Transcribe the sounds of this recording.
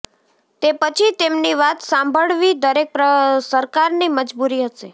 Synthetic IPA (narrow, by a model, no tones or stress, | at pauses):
t̪epət͡ʃʰit̪emniʋat̪sãmbʱəɭʋid̪əɾek̚pɾəsəɾkaɾniməd͡ʒbuɾiɦəʃe